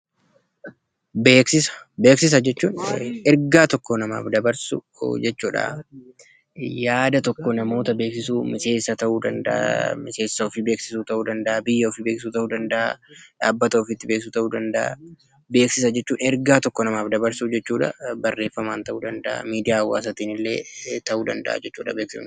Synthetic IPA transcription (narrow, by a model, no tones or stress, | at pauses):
beːksɪsɐ̥be̞ːksɪs̬ɐd͡ʒɛt͡ʃːuːnɛɾɡaːt̪ɔkːɔnɐma̰ːfd̪ɐbɐɾsṵ | d͡ʒɛt͡ʃːuːᶑɐ̰ | jaːd̪ɐt̪ɔkːɔnɐmo̞ːt̪ɐbe̞ːksɪsuːmɪse̞ːsːɐt̪ɐʔuːd̪ɐnd̪ɐ̰ʔa̰mɪse̞ːsːɐɔfɪbeːksɪsuːt̪ɐʔuːd̪ɐnd̪ɐʔabɪjːɐɔfɪbeːksɪsuːt̪ɐʔuːd̪ɐnd̪ɐʔa̰aːbːɐt̪ɐːfɪt̪ːɪbeːks̬uːt̪ɐʔuːd̪ɐnd̪ɐʔa̰ | be̞ːksɪsɐd͡ʒɛt͡ʃːuːnɛɾɡaːt̪ɔkːɔnɐmaːfd̪ɐbɐɾsud͡ʒɛt͡ʃːuːᶑɐ̰bɐrːe̞ːfːɐmaːnt̪ɐʔuːd̪ɐnd̪ɐʔa̰miːd̪ɪjaːwːa̰ːs̬ɐt̪iːnɪlːe̞̰ːt̪ɐʔuːd̪ɐnd̪ɐ̰ʔa̰d͡ʒɛt͡ʃːuːᶑɐbeːksɪ